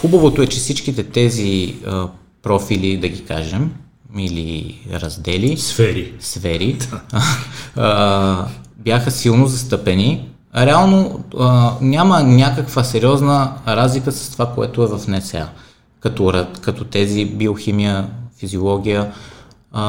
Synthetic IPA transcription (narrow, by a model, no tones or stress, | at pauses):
xubɐvot̪oɛt͡ʃɛfsit͡ʃk̟it̪ɛt̪ɛziə | pɾɔfilid̪ɐɡʲika̰ʒɛm | ilḭɾɐ̰zd̪ɛlisfɛɾisfɛɾi | bjaxəsilˠnozɐst̪ɤpɛni | ɾɛalˠnoənʲamənʲakəkvəsɛɾiɔznəɾazlikəsɐ̥st̪ovakoɛ̰t̪ʊɛvɐfnɛsɛa̰ | kɐt̪ɔɾɐkɐt̪ɔt̪ɛzibioximijəfiziolˠɔɡ̟ʲijə